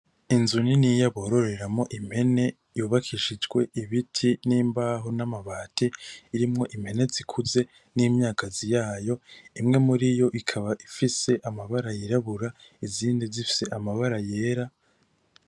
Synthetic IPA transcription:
inzuninijaβoːɾo̞ɾe̞ɾamŋo̞ʔim̥he̞ne̞ | juːβakʰiʃid͡ʒɡwe̞iβitʰiniːmbaɦonamaβaːtʰeiɾimŋo̞ʔim̥he̞ne̞zikʰuze̞ | niːmɲaːkazijaːjo̞imŋe̞muɾijo̞ʔikʰaβaʔifise̞ʔamaβaɾajiɾaβuɾa | iziːndizifi̥se̞ʔamaβaɾaje̞ːɾa

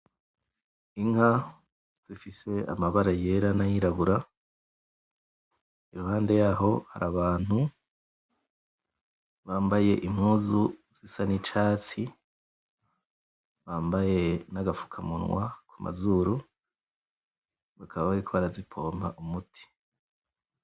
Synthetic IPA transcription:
iŋha | z̥ifise̞a̰maβaɾaje̞ɾanajiɾaβuɾa | iɾuhaːnde̞jaːɦo̞ha̰ɾaβaːn̥hu | βaːmbaje̞ʔim̥huːzuz̥isanit͡ʃaːt͡si | βaːmbaje̞naɡafu̥kʰamṵnŋwa̰kʰumʔa̰zuːɾu | βakʰaβaβaɾikʰo̞βaɾazipʰo̞ːma̰ʔumutʰi̥

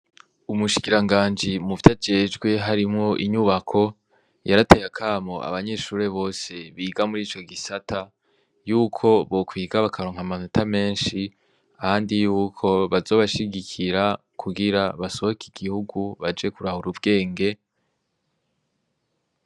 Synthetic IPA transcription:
umuʃi̥kiɾaŋɡaːnd͡ʒimuvjad͡ʒe̞ːd͡ʒɡwe̞ɦaɾimŋo̞ʔiɲuβakʰo̞ | jaɾate̞jakʰaːmo̰ʔa̰βaɲe̞ʃuːɾe̞βo̞ːse̞βiːɡamuɾiːt͡ʃo̞ɡisatʰa | juːkʰo̞βo̞kwiːɡaβakʰaɾoːŋ̥hamanutʰame̞ːnʃi | ahaːndijuːkʰo̞βazo̞ːβaʃiɡikʰiɾa | kʰuɡiɾaβaso̞βokiɡ̥ihuɡuβad͡ʒe̞kuɾahuɾubɡe̞ːŋɡe̞

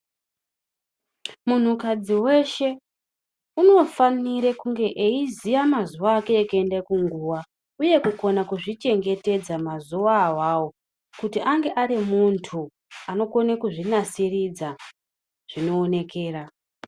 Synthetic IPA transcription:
mun̤ukad͡ziwe̞ʃe̞ | uno̞faniɾekuŋɡe̞ʔeizijamazuʋaːke̞ːkendekuŋɡuːwa | uje̞kuko̞nakuʐit͡ʃe̞ŋɡe̞te̞d͡zamazuʋawawo | kutiʔaŋɡe̞ʔaɾimuntʰu | ano̞ko̞nekuʐinasirid͡za | ʐ̥ino̞ːne̞ke̞ːra

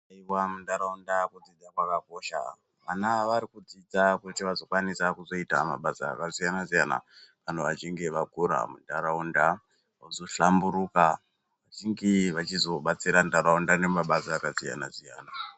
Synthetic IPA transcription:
aiwamundaɾaundakud͡zid͡zakwakako̞ːʃa̰ | ʋanaʋaɾikud͡zid͡zakutiʋazo̞kwanisakuzo̞ita̰ma̰ɓasa̰ːkazijanazijana̰kanoʋat͡ʃiŋɡeʋaɡʱuɾa̰mundaɾaunda | auzo̞ʃambuɾuka | ʋat͡ʃiŋɡeʋat͡ʃizo̞ɓat͡siɾandaɾaundane̞maɓasaːkazija̰na̰zija̰ːna

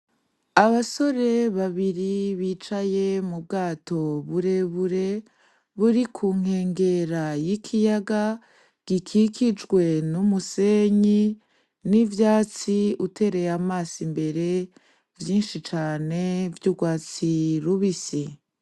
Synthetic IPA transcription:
aβaso̞ɾe̞βaβiɾiβiːt͡ʃaje̞mub̚ɡaːto̞βuɾe̞βuɾe̞ | βuɾikʰuːŋ̥he̞ːŋɡe̞ɾajikʰijaɡa | ɡ̥ikʰikʰid͡ʒɡwe̞numuseɲi | nivjaːt͡siutʰe̞ːɾe̞jamaːsimbe̞ɾe̞ | vjiːnʃit͡ʃaːne̞vjuɡwaːt͡siɾuβisi

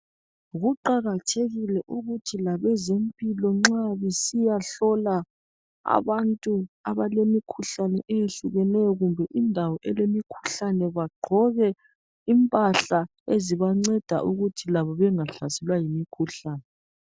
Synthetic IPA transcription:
ɣuǃaɣatʰeɣilɛʔuɣutʰilaβɛzempʼilɔŋ͡ǀaβisijaɬɔla | a̰βantʼuaβalemikʰuɬanɛʔejeɬuɣɛnɛjɔɣumbʱɛʔindʱawɔʔɛlemikʰu̥ɬanɛβaɡ͡ǃʱɔɣɛ | impʼaɬa | eziβaŋ͡ǀɛd̥ʱa̰ʔuɣutʰilaβɔβɛŋaɬasɛlwajimikʰuɬaːnɛ

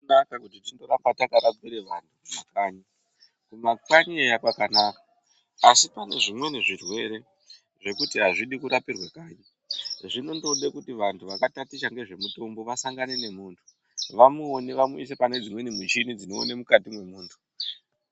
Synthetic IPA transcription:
nakakutitindoɾambatakaɾab͡viɾeʋantʰukumakaːɲi | kumakaɲiejapakanaːkḁ | asipane̞ʐimwe̞neʐirwe̞ɾe̞ | ʐe̞kutiɦaʐiɗikuɾapirwakaːɲa | ʐino̞ndo̞ɗekutiʋantʰuʋakatatiʃaŋɡe̞ʐe̞muto̞mbo̞ʋasaŋɡane̞ne̞muːntʰu̥ | ʋamuoniʋamuis̬e̞pane̞d͡zimwe̞nimwit͡ʃinid͡zino̞̰ːnemukatimwe̞muːntʰu̥

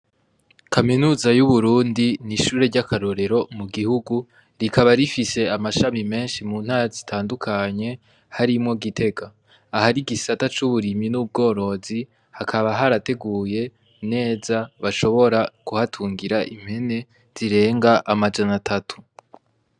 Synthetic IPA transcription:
kʰaminuːzajuβuɾuːndiniʃuːɾe̞ɾɟakaɾo̞ɾe̞ɾo̞muɡihuɡu | ɾikʰaβaɾifise̞amaʃamime̞ːnʃimuːn̥haːɾazitʰaːndukʰaɲe̞ | haɾimŋo̞ɡite̞ɡaː | haɾiɡisatat͡ʃuβuɾiminub̚ɡo̞ːɾo̞zi | hakʰaβaɦaɾate̞ɡuːje̞ | ne̞ːzaβaʃo̞βo̞ɾakuhatʰuːŋɡiɾaʔim̥he̞ne̞ | z̥iɾe̞ːŋɡaʔamad͡ʒanatʰatʰu̥

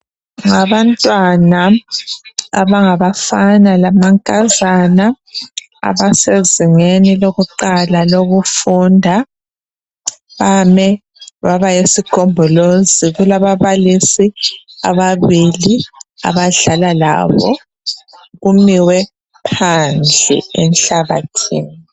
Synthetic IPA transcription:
ŋaβantʼwana | a̰βaŋaβafanalamaŋkʼazana | a̰βaseziŋeniloɣuǃalaloɣufundʱa | βamɛ | βaβajesiɡ̥ʱɔmbʱɔloziɣulaβaβalisia̰βaβilia̰βaɮalala̰βɔ̰ | ɣumiwɛ | pʰand͡ɮʱɛ̰ɛnɬaβatʰḭːni

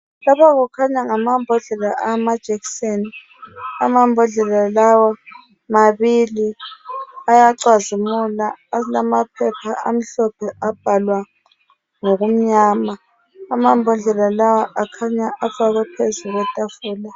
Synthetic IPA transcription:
lapʰaɣukʰaɲaŋamambʱɔɮɛlaʔamad̥ʒ̥ʱɛkseni | a̰mambʱɔɮɛlalawa | maβili | ajaǀwazimulalamapʰɛpʰaa̰m̩ɬɔpʰɛʔab̥ʱalwa | ŋoɣum̩ɲaːmaː | mambʱɔɮɛlalawaʔakʰaɲaʔafaɣwɛpʰezuɣwɛtʼafuːla

